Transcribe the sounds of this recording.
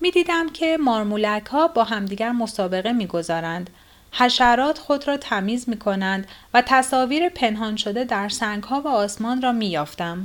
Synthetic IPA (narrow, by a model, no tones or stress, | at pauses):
miːd̪iːd̪æmcʰe̞mɒːɾmulækʰhɒːbɒːɦæmd̪iːɟæɾmo̞sɒːbe̞ɣe̞miːɡo̞zɒːɾænd̪̥ | hæʃæɾɒːt̪xo̞d̪ɾɒːt̪ʰæmiːzmiːkʰo̞nænd̪væt̪ʰæsɒːviːɾepʰe̞nɦɒːnʃo̞d̪e̞d̪æɾsæŋɡhɒːvæɒːsmɒːnrɒːmiːjɒːft̪æm